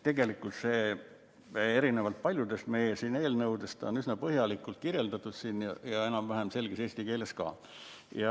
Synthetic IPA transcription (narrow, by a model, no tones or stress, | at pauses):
t̪e̞ɡe̞likˑult̪se̞ː | e̞ɾine̞vɑlt̪̚pɑlʲjud̪e̞st̪me̞jesiːne̞ːlnɤwd̪e̞st̪o̞̰nysnɑpɤɦjɑlikːˑult̪̚kirje̞ld̪ɑt̪ːˑud̪̥siːnjɑjɑe̞nɑmvæɦæmse̞lɡ̥ese̞ːsʲt̪ike̞ːle̞skɑ̰ː | jɑ